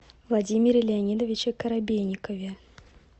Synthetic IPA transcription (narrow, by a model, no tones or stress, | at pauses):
vlˠadʲimʲɪɾʲɪlʲɪanʲid̪əvʲɪt͡ɕɪkəɾabʲejʲnʲɪkəvʲɪ